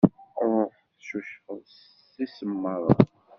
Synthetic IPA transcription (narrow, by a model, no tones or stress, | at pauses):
fθʃuʃfəðˤs | isəmːəɾˤɑ